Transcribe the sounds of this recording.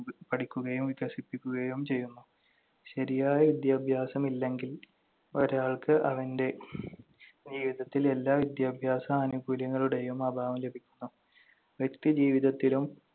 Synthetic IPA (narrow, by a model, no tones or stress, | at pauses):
pɐʈikʲːuɣɐjumʋiɣɐsipːikʲːuɣɐjumt͡ɕe̞jːunːu | ɕɐɾijaːjɐʋid̪jaːbʱjaːsɐmilːe̞ŋɡil | o̞ɾaːɭkɨʔɐʋɐnde̞ | d͡ʑiːʋiðɐt̪ːile̞lːaːʋid̪jaːbʱjaːsɐmɐnubʱuːljɐŋːɐɭuɽe̞jumɐbʱaːʋɐmle̞bʱikʲːu̥nːu | ʋjekt̪id͡ʑiːʋiðɐt̪ːilum